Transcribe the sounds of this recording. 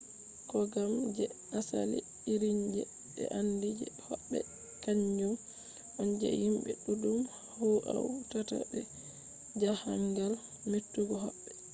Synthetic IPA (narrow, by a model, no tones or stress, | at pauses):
kɔɡamd͡ʒɛnasa̰lḭ | iɾiɲd͡ʒɛ̰ | ɛ̰ʔandid͡ʒɛhɔɓːɛ̰ | kaɲd͡ʒum | ʔɔnd͡ʒɛ̰himɓɛ̰ɗudum | hɔʔawtata̰bɛ | d͡ʒahaŋɡal | metːuɡɔɦɔɓːɛ